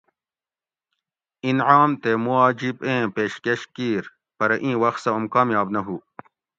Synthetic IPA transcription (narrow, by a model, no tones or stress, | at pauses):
inʕaːmt̪emuaːd͡ʑibẽːpeːɕkeɕkiːɾ | pɐɾɐʔĩːwɐxt̪sɐumkaːmjaːbnɐɦu